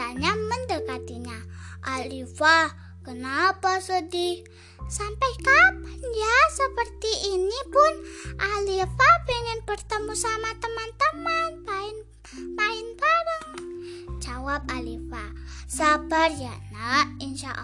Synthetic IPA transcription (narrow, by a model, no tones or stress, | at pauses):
aɲaməndəkat̪iɲaʔalifa | kənapasədi | sampajkapanjasəpərt̪iʔːnipʊnʔalifabəŋənbərt̪əmusamat̪əmant̪əmanpaɪn | paɪnpaɾəŋ | d͡ʒawap̚alifasabarjanainʃaʔ